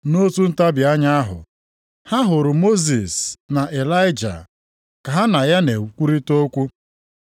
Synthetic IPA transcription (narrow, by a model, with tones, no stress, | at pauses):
no˦tu˦n̩˦ta˦bja˦ɲa˦ɦʊ̰˨ | ha˦ɦʊ˨ɾʊ˨mo˦zi˨sna˨ʔe˨la˦jɪ˦d͡ʒa̰˨ | ka˨ɦa˦na˨ja˦ne˨kʷu˦ɾi˦to˦kʷu˦